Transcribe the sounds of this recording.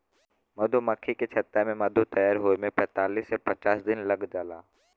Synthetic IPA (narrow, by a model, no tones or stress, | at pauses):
mɐd̪ʱomɐkʰːiket͡ʃʰɐt̪ːemẽmɐd̪ʱot̪ɐjaːɾɦoːmẽpɛ̃ːt̪aːliːsːepɐt͡ʃaːsd̪ɪnlɐɡd͡ʒaːlaː